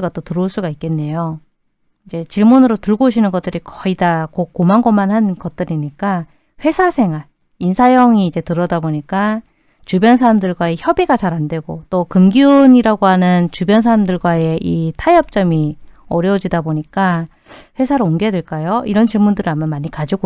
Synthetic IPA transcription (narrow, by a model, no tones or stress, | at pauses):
uɡat͈otɯɾouɭs͈uɡaik͈e̞nːe̞jo | id͡ʑe̞t͡ɕiɭmunɯɾotɯɭɡoɕʰinɯnɡʌt͈̚ɯɾikʌidakok̚k͈omanɡʌmanhanɡʌt̚t͈ɯɾiɲik͈a | ɸwe̞sʰasʰe̞ŋa | insʰajʌŋiːd͡ʑe̞tɯɾʌdaboɲik͈a | t͡ɕubjʌnsʰaɾamdɯɭɡwaeçjʌbiɡat͡ɕaɾande̞ɡot͈okɯmɡiuniɾaɡoɦanɯnt͡ɕubjʌns̬ʰaɾamdɯɭɡwae̞ʔitʰajʌp̚t͡ɕ͈ʌmiʌɾjʌud͡ʑidaboɲik͈a | ɸwe̞sʰaɾɯonɡedweɭk͈ajoiɾʌnt͡ɕiɭmundɯɾɯamʌnmaɲikad͡ʑiɡo